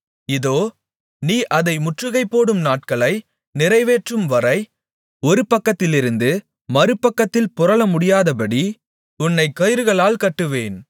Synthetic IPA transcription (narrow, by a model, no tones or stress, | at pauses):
ɪðoː | niːʔɐðɐɪmʊʈrɯɣɐɪpːoːɽɯmnaːʈ̚kɐɭɐɪ | nɪɾɐɪʋeːʈrɯmʋɐɾɐɪ | ɔɾɯpɐkːɐt̪ːɪlɪɾɯnd̪ɯ | mɐɾɯpːɐkːɐt̪ːɪlpʊɾɐɭɐmʊɽɪjaːðɐpɐɽi | ʊnːɐɪkːɐjɪɾɯɣɐɭaːlkɐʈːɯʋeːn